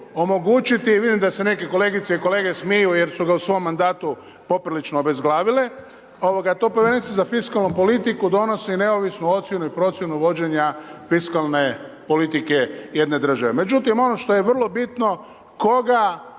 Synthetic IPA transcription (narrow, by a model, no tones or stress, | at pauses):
o̞mo̞ɡuːt͡ʃit̪iʋid̪imd̪ase̞ne̞ke̞ko̞le̞ɡit̪seiko̞le̞ːɡe̞smijuje̞ɾsuɡausʋo̞mːand̪aːt̪u | po̞pɾilit͡ʃnoobe̞zɡlˠaːʋile | o̞ʋo̞ɡat̪o̞ːpoʋjeɾe̞nit̪izafiskalnupo̞lit̪ikud̪o̞no̞sine̞o̞ʋisnuo̞t̪sje̞nuipɾo̞t̪sje̞nuʋo̞d͡ʑe̞ɲafiskalne̞ | po̞lit̪ike̞je̞d̪ne̞d̪r̩ʒaʋe̞me̞d͡ʑut̪imo̞no̞ʃt̪o̞je̞ʋr̩lˠo̞bit̪no̞ | ko̞ɡa